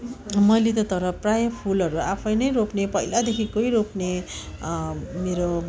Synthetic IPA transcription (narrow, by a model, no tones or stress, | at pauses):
mʌjlet̪ʌt̪ʌɾʌprajʌpʰulʌɾuapʰʌjnʌjɾopnepʌilad̪ekʰikoiɾopne | meɾo